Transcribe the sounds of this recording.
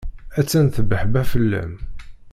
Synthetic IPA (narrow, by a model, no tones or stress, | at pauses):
æt͡sːænθəbəħbæfəlːæ̰m